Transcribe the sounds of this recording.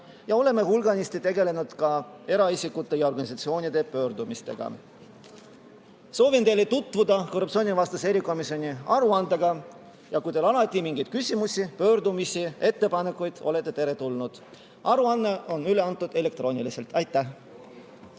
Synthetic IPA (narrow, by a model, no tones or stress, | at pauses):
jɑo̞le̞me̞hulɡ̥ɑnist̪it̪e̞ɡe̞le̞nud̪̥kɑ | e̞ɾɑisikːˑut̪ːˑe̞jɑorɡ̥ɑnisɑt̪sio̞ːnʲid̪̥e̞pø̞ːɾd̪umist̪e̞̰ɡ̥ɑ̰ | so̞ːvint̪e̞jlet̪ut̪ːˑvud̪ɑko̞rːupt̪sio̞ːnʲivɑst̪ɑse̞ɾiko̞misio̞nʲiɑɾuɑnd̪̥eɡɑ | jɑkujt̪elɑlɑt̪ʲːˑimiŋɡ̥ijd̪̥̚kysʲimusʲipø̞ːɾd̪umisie̞t̪ːe̞pɑne̞kːˑujd̪̥o̞̰le̞t̪ːˑe̞t̪e̞ɾe̞t̪ulnud̪̥ | ʔɑɾuɑnːe̞ʔo̞nyle̞ɑnt̪ːˑud̪̥e̞le̞k̚t̪ro̞ːnʲilise̞lt̪ɑjt̪ːˑæh